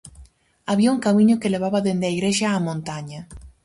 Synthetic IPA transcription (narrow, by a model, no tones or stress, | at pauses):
aβiauŋkamĩɲʊkeleβaβɐðend̪eaiɣɾeʃaːmõnt̪aɲɐ